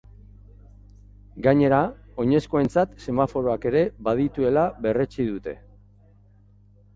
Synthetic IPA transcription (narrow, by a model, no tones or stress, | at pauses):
ɡaɲe̞ɾao̞ɲe̞sko̞ent͡sat̪se̞mafo̞ɾo̞ake̞ɾe̞baðit̪ue̞laβe̞re̞t͡siðut̪e̞̰